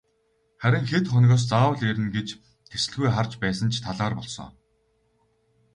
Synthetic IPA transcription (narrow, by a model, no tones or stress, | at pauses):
χæɾʲɪ̆ŋxet̪χɔnɣɔːs̬t͡saːwə̆ɮeɾɘ̆nɡet͡ɕ | ɡ̪esɘ̆ɮɣujχart͡ɕpæːsə̆nt͡ɕʰt̪ʰaɮaːrpɔɮsɞ̰ŋ